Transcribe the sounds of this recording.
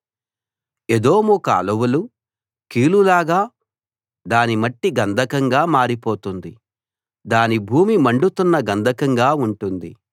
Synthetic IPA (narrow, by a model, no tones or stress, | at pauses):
ed̪o̞ːmuka̰ːlɐwulu | kiːlulaːɡaː | d̪aːnimɐʈːiɡɐnd̪ʱɐkɐŋɡaːmaːɾipoːt̪und̪ḭ | d̪aːnibʱuːmimɐɳɖut̪unːɐɡɐnd̪ʱɐkɐŋɡaːuɳʈund̪ḭ